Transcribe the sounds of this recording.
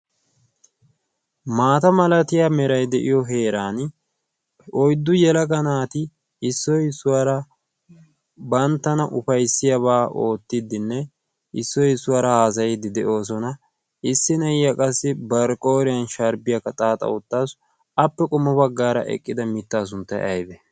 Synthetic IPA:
maːt̪ɐmɐlɐt̪ɪjaːmɛɾɐjd̪ɛʔɪjɔɦe̞ːɾaːn | ʔɔjd̪ːʊjɛlɐɡɐnaːt̪ɪ | ɪsːɔjɪsːʊwaːɾɐ | bɐnt̪ːɐnɐʔʊfɐjsːɪjɐbaːʔo̞ːt̪ːɪd̪ːɪnːɛ | ʔɪsːɔjɪsːʊwaːɾɐhaːs̬ɐjɪd̪ɪd̪ɛʔo̞ːs̬ɔnɐ | ɪsːɪnɐjjɐkʼɐsːɪbɐɾkʼo̞ːɾɪjɐnʃɐɾbɪjɐkːɐt̪ʼaːt̪ʼɐ̰ʊt̪ːaːs | ɐpːɛkʼʊmːɐbɐɡːaːɾɐ̰ʔɛ̰kʼːɪd̪ɐmɪt̪ːaːs̬ʊnt̪ːɐ̰jɐjbɛ

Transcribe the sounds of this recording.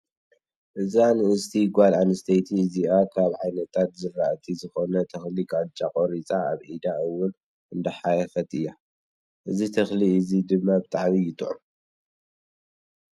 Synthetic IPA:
ʔɨzanɨɨst̪ʰiɡʷalanɨst̪ʰɐjt̪ʰiɨziʔakʰaβʕajnɐt̪ʰːat̪zɨraʔt̪ʰizɨxonɐt̪ʰɐxliɡad̪t͡ʃʼakʼoɾit͡sʼaa̰βʕid̪aɨwʊn | ʔɨnd̪ɐħajɐfɐt̪ʼɨjːa | ʔɨzit̪ʰɐxliɨzid̪ɨmːabɨt̪ʼaʕmijɪt̪ʼʕum

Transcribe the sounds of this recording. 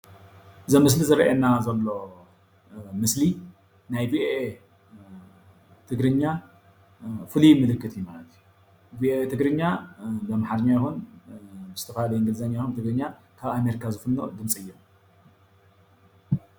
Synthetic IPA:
ɨzɐmːɨs̬lizɨɾɐʔenazɐlːo̞ | mɨsli | najviʔoe | t̪ʰɨɡɾɨɲːa | fɨlimɨlɨkːɨt̪jumalɐt̪ʰiju | vioet̪ʰɨɡɾɨɲːabɐmaħad̪ɨɲːajɪxun | zɨ̥t̪ʰɐfhalɐjiŋɡɨlzɐɲːajxunt̪ɨɡɾɨɲːa | kʰaβame̞ɾikʰazɨfɨnːo̰d̪ɨmt͡sʼɨjːom

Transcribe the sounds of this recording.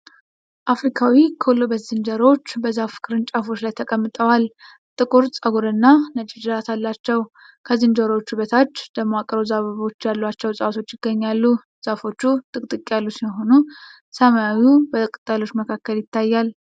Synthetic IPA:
ʔafɾikʰawikʰolobəszɨnd̪əɾo̞t͡ʃːbəzafɨ̥kʰʼɨɾɨnt͡ʃʼafo̞t͡ʃlajt̪ʰəkʼəmːɨt̪ʼəwal | t̪ʼɨkʼuɾsʼəɡuɾɨnːanət͡ʃʼɪd͡ʒɨɾat̪ʰalːat͡ʃːɛw | kʰəzɨnd͡ʒ̪əɾot͡ʃːuβət̪ʰat͡ʃːd̪əmakʼəɾozaβəβo̞t͡ʃːjalːuat͡ʃːɛwsʼəwat̪ʰo̞t͡ʃːɪɡ̥ːəɲːalːu | z̥afo̞t͡ʃːut̪ʼɨkʼt̪ʼɨkʼjalːusimɦo̞nu | səmajawubət̪ʼkʼɨt̪ʼːalo̞t͡ʃːməkʰakːəljɪt̪ːajːal

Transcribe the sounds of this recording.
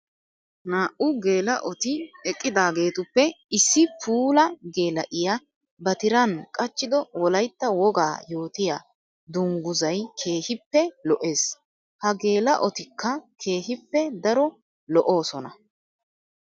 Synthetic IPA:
naːʔʊɡe̞ːlɐʔɔt̪ɪɛkʼːɪd̪aːɡe̞ːt̪ʊpːɛɪsːɪpʰuːlɐɡe̞ːlɐʔɪja | bɐt̪ɪɾɐnkʼɐt͡ʃːɪd̪ɔwɔlɐjt̪ːɐwɔɡa̰ːjo̞ːt̪ɪja̰ | d̪ʊŋɡʊzɐjkʰe̞ːhɪpːɛlɔʔe̞ːs | hɐɡe̞ːlɐʔɔt̪ɪkːɐkʰe̞ːɦɪpːɛd̪ɐɾɔ | lɔʔo̞ːsɔnɐ

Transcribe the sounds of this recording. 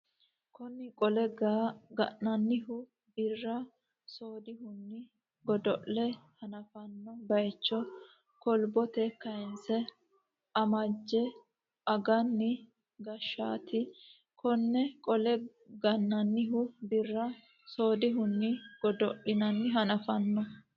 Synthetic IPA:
kʰɔnːɪkʼɔlɛɡɡɐʔnɐnːɪhʊ | bɪrːɐ | soːd̪ɪɦʊnːɪ | ɡɔd̪ɔʔlɛhɐnɐfɐnːɔbɐjt͡ʃːɔ | kɔlbɔt̪ɛkɐɪnsɛ | ʔɐmɐd͡ʒːɛ | ʔɐɡɐnːɪ | ɡɐʃːaːt̪ɪ | kʰɔnːɛkʼɔlɛ | ɡɐnːɐnːɪɦʊbɪrːɐ | so̞ːd̪ɪɦʊnːɪɡ̥ɔd̪ɔʔɪnɐnːɪɦɐnɐfɐnːɔ

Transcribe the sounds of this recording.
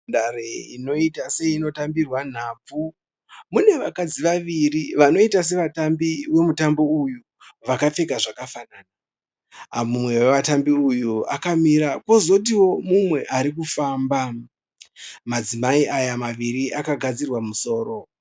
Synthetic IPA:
dare̞ino̞itase̞ino̞tambirwan̤aːb͡vu | mune̞ʋakad͡ziʋaʋiriʋano̞itas̬e̞ʋatambiwe̞mutambo̞uju | ʋakap͡fe̞kaʐakafanaːna | amumwe̞weʋatambiujua̰kamiɾakwo̞zo̞t̬iwo̞mumwe̞ʔaɾik̬ufaːmba | mad͡zimaiʔajamaʋiɾiʔakaɡʱad͡zirwamuso̞ːro̞

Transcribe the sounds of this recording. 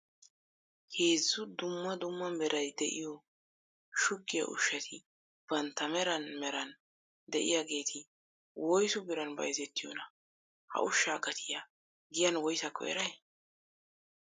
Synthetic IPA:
heːzːʊd̪ʊmːɐd̪ʊmːɐmɛɾʔɐjd̪ɛʔɪ̰jɔ | ʃʊkːɪjɐ̰ʔʊ̰ʃːɐt̪ʰɪ | b̥ɐnt̪ːɐmɛɾɐnmɛɾɐn | d̪ɛʔɪ̰jaɡe̞ːt̪ʰɪ | wɔjsʊbɪɾɐnbɐ̰jzɛt̪ːɪjɔnɐ | hɐ̰ʔʊʃːaːɡɐt̪ʰɪja | ɡɪjɐnwɔjsɐkːɔ̰ɛ̰ɾɐj

